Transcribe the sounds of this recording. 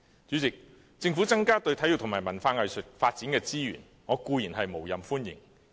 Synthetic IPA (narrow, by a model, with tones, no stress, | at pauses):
t͡ʃy˨˥t͡sɪ˨k̚ | t͡sɪ˧ŋfu˨˥t͡sɐ˥ŋkaː˥t̪ɵ˧ɥt̪ʰɐ˨˥j̚t̪ʰʊ˨˩maː˨˩jmɐ˨˩nfaː˧ŋɐ˨˧jsɵ˨t̚faː˧t̚t͡siː˨˥nkɛː˧t͡siː˥jyː˨˩n | ŋɔː˨˧kuː˧jiː˨˩nɦɐ˨jmo˨˩wjɐ˨mfuː˥njɪ̰˨˩ŋ